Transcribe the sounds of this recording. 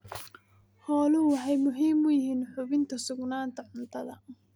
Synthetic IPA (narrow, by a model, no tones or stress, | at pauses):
hɔːlʊhʊħɛjmʊɦiːmʊjɪɦiːnħʊβɪnt̪ʰɐsʊɡnaːnt̪ʰɐʕʊnt̪ʰɐðɐ̰